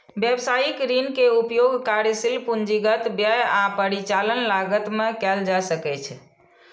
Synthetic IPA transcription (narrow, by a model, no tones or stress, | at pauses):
bjebsajikɾinkeupjoɡkaɾjsilpund͡ʒiɡət̪bjəjapəɾit͡ʃalənlaɡət̪mekɛld͡ʒasəkɛt͡ʃʰ